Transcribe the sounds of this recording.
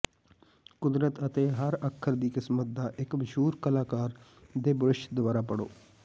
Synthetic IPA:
kʊd̪ɾət̪ət̪eːɦəɾəkʰːəɾd̪iːkɪsmət̪̚d̪aːʔɪkməʃuːɾkəlaːkaːɾd̪eːbəɾɪʃd̪ʊʋaːɾaːpəɽo̰ː

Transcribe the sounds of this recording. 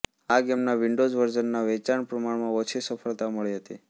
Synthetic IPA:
aɡemnaʋiɳɖod͡ʒʋəɾd͡ʒənːaʋɛt͡ʃaɳpɾəmaɳmãot͡ʃʰisəfʰəɭt̪aməɭiɦət̪i

